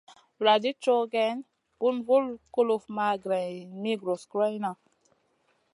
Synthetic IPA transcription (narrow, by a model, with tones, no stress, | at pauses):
ɾa˨di˦t͡ʃo˦ɡɛ˦n | b̥u˦nvu˦lko˦lo˦fma˦ɡɾɛ˨jmi˦ɡɾo˨skɾa˦jna˨